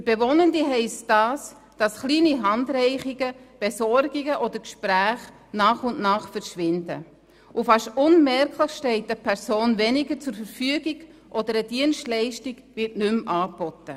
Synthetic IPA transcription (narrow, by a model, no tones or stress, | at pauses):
fəɾbevɔnəndiɦɛɪstd̥ɑːs | d̥ɑsχliːniɦɑndɾɛɪχiɡəb̥ɛsɔɾɡiɡəʔɔd̥əɾkʃpɾæːχ | nɑːχʊnʔnɑːχfəɾʃʋɪndə̰ | ʔufɑʃtʊnmɛɾkʰləχʃtɛɪtəpʰɛɾsoːnvɛnɪɡəɾt͡sʊɾfəɾfyəɡiɡʔɔd̥əɾəd̥iənstlɛɪʃtiɡ̥vɪɾtnʏmʔɑːb̥ɔtə